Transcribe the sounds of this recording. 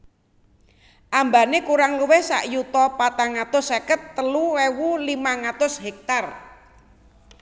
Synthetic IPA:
ʔambanekuɾaŋluwɪhsa̰ʔjut̪ɔpat̪aŋat̪ʊsekət̪ːəluwewulimaŋat̪ʊsɦɛk̚t̪ar

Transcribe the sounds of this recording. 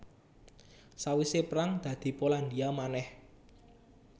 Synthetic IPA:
sawisepəɾaŋd̪̥ä̤d̪̥i̤poland̪iamanɛh

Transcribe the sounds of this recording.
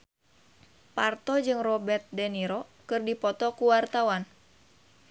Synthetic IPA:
part̪ɔd͡ʒɨŋrɔbɛrt̪̚dɛniɾɔkɨrdipɔt̪ɔkuwart̪awan

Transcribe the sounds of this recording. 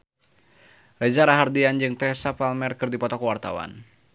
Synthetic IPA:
rɛd͡ʒaɾaɦardiand͡ʒɨŋt̪ɛsapalmɛrkɨrdipɔt̪ɔkəwart̪a̰wa̰n

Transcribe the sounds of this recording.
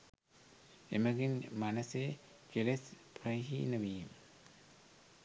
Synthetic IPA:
eməɡinmanɐse | kelesprɐjɦḭːnɐʋijim

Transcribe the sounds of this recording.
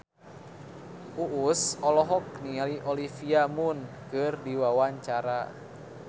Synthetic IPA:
ʔuʔusɔlɔɦɔk̚nialiʔɔlifiamunkɨrdiwawaɲt͡ʃaɾa

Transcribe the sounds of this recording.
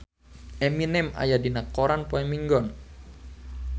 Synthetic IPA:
ɛminɛma̰jadinakɔɾanpoɛmiŋɡɔn

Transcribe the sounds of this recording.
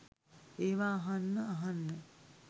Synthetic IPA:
eːʋaːɦanːəaɦanːə

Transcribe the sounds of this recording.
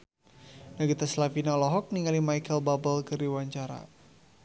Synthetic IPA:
naɡit̪aslafinalɔɦɔk̚niŋalimajkəlbabəlkərdiwaɲt͡ʃaɾa̰

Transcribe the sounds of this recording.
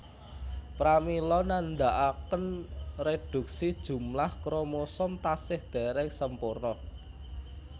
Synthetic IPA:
pɾamilɔnand̪aʔakənred̪̥ṳk̚sid̥ʒ̥ṳmlahkɾomosɔmt̪asɪhd̪̥ɛ̤ɾɛŋsəmpʊrnɔ

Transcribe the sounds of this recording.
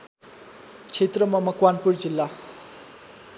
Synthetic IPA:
t͡sʰet̪rʌmʌmʌkwanpurd͡zilːa

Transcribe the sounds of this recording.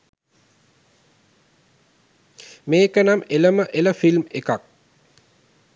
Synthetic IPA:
meːkənameləməʔeləfilmekak̚

